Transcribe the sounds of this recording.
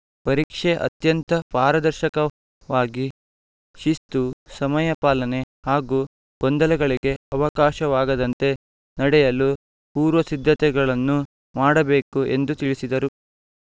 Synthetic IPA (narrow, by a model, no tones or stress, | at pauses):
pɐɾiːkʂeʔɐ̰t̪jɐnt̪ɐpaːɾɐd̪ɐɾʃɐkɐ | ʋaːɡi | ʃist̪usɐmɐjɐpaːlɐne̞haːɡuː | ɡ̥ond̪ɐlɐɡɐɭiɡe̞ɐʋɐkaːʃɐʋaːɡɐd̪ɐnt̪e̞ | nɐɽɛjɐlu | puːɾʋɐsid̪ʱːɐt̪ɛɡɐɭɐnːu | maːɽɐbe̞ːkuʔe̞nd̪ut̪iɭisid̪ɐɾu